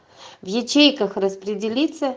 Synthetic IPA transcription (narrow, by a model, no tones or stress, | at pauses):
vjɛt͡ɕejkəxrɐspɾʲɪdʲɪlʲit̪sə